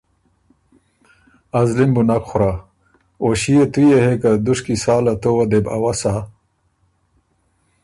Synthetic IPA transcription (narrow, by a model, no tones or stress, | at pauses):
ɐzlimbunakχʊɾa | oɕijet̪ujehekad̪uʂkisaːlat̪owɐd̪eba̰wasa